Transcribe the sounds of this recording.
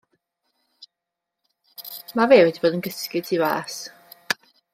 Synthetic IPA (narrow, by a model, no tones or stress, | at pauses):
maveːwɛdiboːdənɡəskɪ̥tʰiwa̰ːs